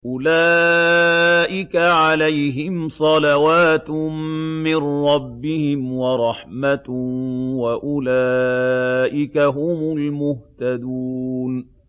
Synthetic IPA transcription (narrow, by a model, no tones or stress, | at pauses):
ʔʊlaː | ʔɪkaʕalajɦɪmsˤɑlawaːt̪ | mɪnɾˤɑbːɪhɪmwɑɾˤɑħmat̪waʔʊlaː | ʔɪkaɦʊmʊlmʊht̪ad̪uːn